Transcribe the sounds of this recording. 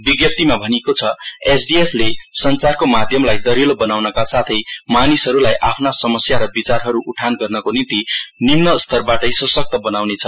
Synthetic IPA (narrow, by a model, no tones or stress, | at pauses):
biɡjʌp̚t̪imabʱʌnekot͡sʰʌesɖiepʰlesʌnt͡sarkomad̪ʱjʌmlajd̪ʌɾilobʌnawnʌkasat̪ʰʌjmanisɦʌɾulajʔapʰnasʌmʌsjaɾʌbit͡sarɦʌɾuʔuʈʰanɡʌrnʌkonint̪inimnʌst̪ʰʌrbaʈʌjsʌsʌk̚t̪ʌbʌnawnet͡sʰʌ